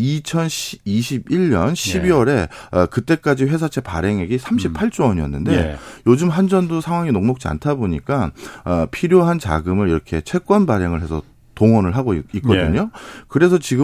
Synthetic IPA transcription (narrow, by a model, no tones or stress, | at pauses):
it͡ɕʰʌniɕʰibiɭɲʌnɕʰibiwʌɾe̞ʌkɯt͈e̞k͈ad͡ʑiɸwe̞sʰat͡ɕʰe̞pa̰ɾe̞ŋeɡisʰamɕʰipʰaɭt͡ɕ͈owʌɲiʌnːɯnde̞jod͡ʑɯmɦand͡ʑʌndosʰaŋɦwaŋinoŋmok̚t͡ɕ͈ia̰ntʰaboɲik͈aː | pʰiɾjoɦant͡ɕa̰ɡɯmɯɾiɾʌkʰe̞t͡ɕʰe̞k͈wʌnbaɾeŋɯɭɦe̞sʰʌ | toŋʌnɯɭɦaɡoikk͈ʌdɯɲokɯɾe̞s̬ʰʌt͡ɕiɡɯ